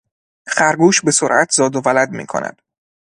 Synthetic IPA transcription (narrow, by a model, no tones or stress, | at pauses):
xæɾɡuːʃbe̞soɾʔæt̪ʰzɒːd̪ovælæd̪mḭːkʰo̰næ̰d̪̥